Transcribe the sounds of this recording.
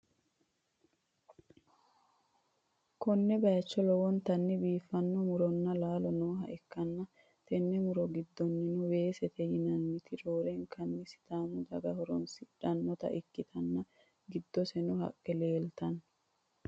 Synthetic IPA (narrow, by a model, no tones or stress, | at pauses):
kɔnːɛbɐjɐt͡ʃːɔlɔwɔnt̪ɐnːɪbiːfːɐnːɔmʊɾɔnːɐlaːlɔnoːɦɐʔɪkːɐnːɐ | t̪ʰɛnːɛmʊɾɔɡɪd̪ːɔnːɪnʊwe̞ːsɛt̪ʰɛjɪnɐnːɪt̪ɪɾoːɾɛŋkʰɐnːɪsɪ̥t̪aːmʊd̪ɐɡɐhɔɾɔnsɪᶑɐnːɔt̪ɐ̰ʔɪkːɪt̪ʰɐnːɐ | ɡɪd̪ːɔsɛnʊɦɐ̰kʼːɛle̞ːlt̪ɐn